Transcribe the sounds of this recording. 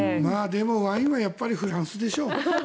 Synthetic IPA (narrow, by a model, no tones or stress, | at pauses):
maːd̪e̞mo̞βãĩɰ̃βajapːaɾʲiɸɯɾãɰ̃sɨd̪e̞ɕo̞ː